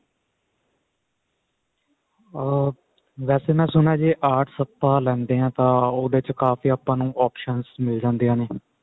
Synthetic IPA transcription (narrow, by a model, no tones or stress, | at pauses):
ʋɛːseːmɛ̃ːsʊnaːd͡ʒeːʔaːʈʰsət̪ːaːlɛ̃ːnd̪eːɦãːt̪ãːoːd̪eːt͡ʃkaːfiːaːpːãːnũːʔaːpʃənzmɪld͡ʒãːnd̪eːãːneː